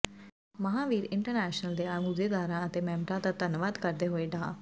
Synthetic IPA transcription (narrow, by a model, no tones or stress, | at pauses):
məɦãːʋiːɾɪɳʈəɾnɛːʃnəld̪eːamud̪eːd̪aːɾãːət̪eːmɛ̃ːmɾãːt̪at̪ənʋaːd̪kəɾd̪eːɦoeːɖaː